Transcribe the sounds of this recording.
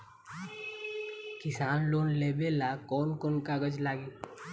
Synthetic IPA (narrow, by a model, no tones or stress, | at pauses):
kɪsaːnloːnleːbelaːkɔːnkoːnkaːɡəd͡ʒlaːɡiː